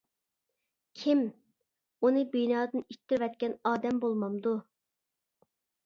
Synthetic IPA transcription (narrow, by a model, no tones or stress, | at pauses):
kʲʰim | unɨbijnɑːd̪ɨnit̪ʰːɪɾvɛt̪kʲɛnɑːd̪ɛmbolˠmɑmd̪u